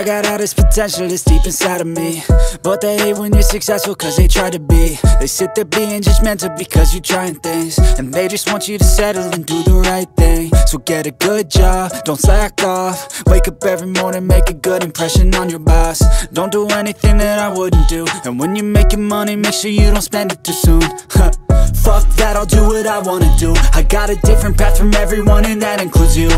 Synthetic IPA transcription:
ɪɡɑɾaʊɾ̚ðɨspʰɨtʰɛ̃nʃl̩ˠɨstipɨ̃nsaɪɾʌvmib̥ʌt̪̚ðewə̃njə˞sɨksɛsfl̩ˠkʰʌzðeɪtʰɹ̥aɪɾɨbiðeɪsɪt̪̚ðə˞biɪ̃nd͡ʒʌsmɛ̃ntɨbɨkʰʌzjə˞tʰɹ̥aɪɪ̃ŋθɪ̃ŋz̥ɨ̃nðeɪd͡ʒʌst̚wɑ̃nt͡ʃɨɾɨsæɾəɨ̃ndɨðəɹaɪt̪̚θɪ̃ŋsoʊɡɛɾɨɡʊd̚d͡ʒɑb̚d̥õʊ̃ntsaɪk̚ɔfweɪkʌpɛvɹimɔɹnɪ̃nmeɪkɨɡʊɾɨ̃mpʰɹ̥ɛʃɨ̃nə̃njə˞bæsd̥õʊ̃nd̥əɛniθɪ̃ŋðɨɾaɪwʊdⁿn̩d̥uɨ̃nwə̃njɨmeɪkɨ̃mʌnimeɪkʃʊɹjɨɾõʊ̃ntspɛ̃ndɨtʰɨsũn | fʌk̚ðɨɾaɪlˠdɨwʌɾaɪwɑ̃nɨdɨaɪɡɑɾɨdɪfɹɨ̃npʰætfɹʌ̃mɛvɹiwʌ̃nɨ̃nðɨɾɨ̃nkʰl̥ʉzjɨ

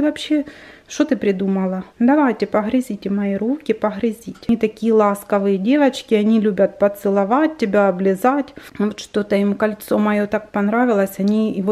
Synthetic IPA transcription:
vɐpɕːeʂt̪ot̪ɨpɾʲɪd̪umɐlˠɐd̪ɐvajtʲɪpɐɣɾʲɪzʲitʲɪmɐiɾukʲɪpɐɦɾʲɪzʲitʲit̪ɐkʲijɛlˠɑskɐvɨjɐdʲe̞vɐt͡ɕkʲɪɐnʲilʲubʲɐt̪̚pɐt̪sɨlˠɐvat̚ʲtʲːɪbʲaɐblʲɪzatʲvot̪ʂt̪o̞t̪ɐimkɐlʲt̪so̞mɐjo̞t̪ak̚pɐnɾavʲɪlˠɐsʲɐnʲivo

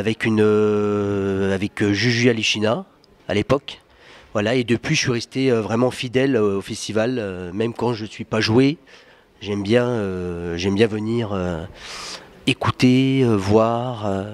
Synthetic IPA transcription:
avɛkynø | avɛkøʒyʒyaliʃina | a̰lepɔk | vwalaed̪əpɥiʒəsɥiʁɛst̪eøvʁɛmɑ̃fid̪ɛlofɛst̪ivalømɛmkɑ̃ʒəsɥipaʒwe | ʒɛmbjɛ̃øʒɛmbjɛ̃vəniʁø | ekut̪eøvwaʁø

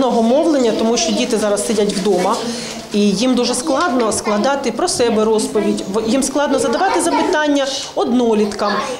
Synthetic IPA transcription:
nɔɦɔmɔwlˠenʲːɐt̪ɔmuʃt͡ʃɔdʲit̪ɪzɑɾɐsːɪdʲɐtʲʋwd̪ɔmɐ | ijimd̪uʒɛsklˠɑd̪nɔsklˠɐd̪ɑt̪ɪpɾɔsɛbɛɾɔspɔʋʲidʲʋjimsklˠɑd̪nɔzɐd̪ɐʋɑt̪ɪzɐpɪt̪ɑnʲːɐ | ɔd̪nɔlʲit̪kɐm

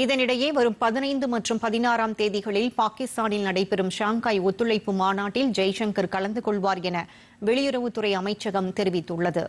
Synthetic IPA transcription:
ɪðɐnɪɽɐjeːʋɐɾɯmpɐðɪnɐɪnd̪ɯmɐʈrɯmpɐðɪnaːɾaːmt̪eːðɪɣɐɭɪlpaːkɪst̪aːnɪlnɐɽɐɪpːɛɾɯmʃaːŋkaːjɔt̪ːɯɭɐɪpːɯmaːnaːʈːɪld͡ʒɐɪʂɐŋkɐɾkɐɭɐnd̪ɯkɔɭʋaːɾjɛnɐ | ʋɛɭɪjʊɾɐʋɯt̪ːɯrɐɪɐmɐɪt͡ʃːɐɣɐmt̪ɛɾɪʋɪt̪ːɯɭːɐðɯ̰

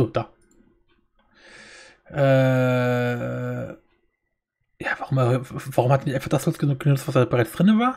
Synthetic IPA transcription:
oːd̥aː | ʔɛː | jaːvaʁʊmvaʁʊmhatːnɪiçʔaɪfaɐχd̥aslolsɡ̥ənuk̚ɡ̥ənʊt͡sstv̥asd̥aːbəʁaɪt͡sd̥ʁɪnəvaːɐ

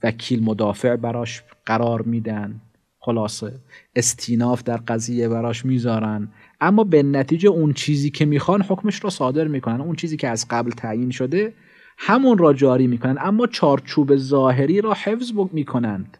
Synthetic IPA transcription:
vækʰiːlmod̪ɒːfe̞ʔbæɾɒːʃɢ̥æɾɒːɾmiːd̪ænd̪ | xolɒːseest̪ʰiːnɒːfd̪æɾɢæziːjebæɾɒːʃmiːzɒːɾænd̪ | ʔæmːɒːbenæt̪ʰiːd͡ʒeunt͡ʃʰiːziːcʰemiːxɒːnho̞kmeʃɾɒːsɒːd̪e̞ɾmiːkʰo̞nænd̪unt͡ʃʰiːziːkcʰeæzɡæblt̪ʰæʔjiːnʃod̪e | hæmunɾɒːd͡ʒɒːɾiːmiːkʰonænd̪ʔæmːɒːt͡ʃʰɒːɾt͡ʃʰuːbezɒːɦe̞ɾiːɾɒːhefzmiːkʰo̞nænd̪̥

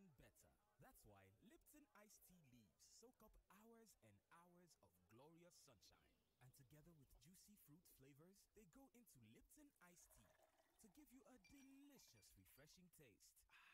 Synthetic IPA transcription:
nbɛtə̰˞ | ðætswaɪlɪp̚tɨ̃naɪstʰilivz̥soʊkʌpaʊə˞zɨ̃naʊə˞zʌvɡlɔɹiəsʌ̃nʃã̰ɪ̃n | ʔɨ̃ntʰɨɡɛðə˞wɨðd͡ʒʉsifɹutfleɪvə˞zðeɪɡoʊʔɪ̃ntʰulɪp̚tʰɨ̃naɪstʰḭtʰɨɡɪvjɨʔədɨlɪʃɨsɹifɹɛʃɪ̃ŋtʰeɪst

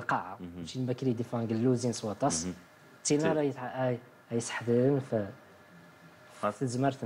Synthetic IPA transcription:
qɑʕaʃilbækɾid̪ifɑɡəlːuzinswɑt̪ˤɑs | t̪ːinɑɾj̪ | hæjsə̥ħd̪əɾənfæ | zməɾt̪

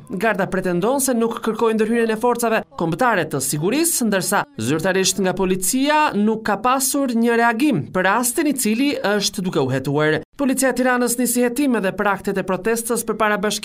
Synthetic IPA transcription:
ɡaɾðapɾɛt̪ɛnd̪ɔnsɛnukːəɾkɔjnd̪əɾhyɾinɛfɔɾt͡savɛkɔmbt̪aɾɛt̪əsiɡuɾisnd̪əɾsazyɾt̪aɾiʃt̪ŋɡapɔlit͡sianukːapasuɾɲəɾɛaɡimpəɾast̪init͡siliəʃt̪d̪ukɛuɦɛt̪uaɾpɔlit͡siaɛt̪iɾanəsnəsihɛt̪imɛðɛpəɾak̚t̪ɛt̪ɛpɾɔt̪ɛst̪əspəɾpaɾabaʃk

